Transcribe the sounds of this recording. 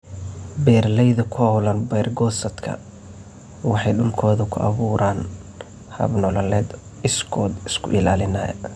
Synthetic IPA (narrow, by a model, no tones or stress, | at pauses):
bɛːrlɛjðɐkʰʊɐwlɐnbɛjrɡɔːsɐd̪kʰɐ̰ | wɑħɑjɗʊlkʰɔːðɐkʰʊʔɐ̰βuːɾaːn | hɐ̰βnɔlɐlɛːd̪ | ɪskʰɔːd̪ɪskʰʊ̰ʔɪlaːlɪna̰ːjɐ̰